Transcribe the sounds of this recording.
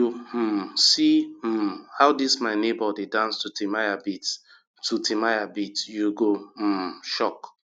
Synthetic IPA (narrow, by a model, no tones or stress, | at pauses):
u | si | haʊdismaɪnebɔdedãnstutimajabit | tutʰimajabitjuɡo | ʃɔk